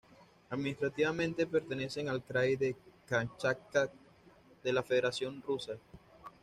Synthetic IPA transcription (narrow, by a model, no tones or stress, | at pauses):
aðminist̪ɾat̪iβamẽnt̪e̞pe̞ɾt̪e̞ne̞se̞ŋalkɾajðekant͡ʃak̚t̪a | ðe̞lafe̞ð̞eɾasjo̞nrusa